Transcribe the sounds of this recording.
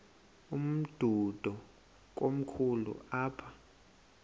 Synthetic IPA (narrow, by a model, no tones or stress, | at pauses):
um̩d̥ʱud̥ʱɔ | k̬om̩kʰulṵaːpʰa